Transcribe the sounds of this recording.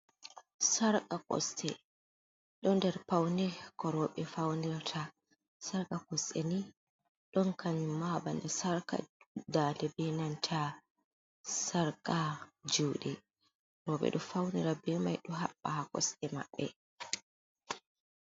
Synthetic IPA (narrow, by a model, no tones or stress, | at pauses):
saɾkʼakɔ̰stɛ̰ | ɗɔndɛɾpawndɛkɔɾɔːɓɛfawniɾatʰa | saɾkʼakɔstɛni | ɗɔnkʰaɲumːabandasaɾka̰daːnɛbɛnantʰa | saɾkad͡ʒuːɗɛ | ɾɔɓɛ̰ɗɔfawniɾabɛːma̰jɗɔɦaɓːahakɔ̰stɛma̰ɓːɛ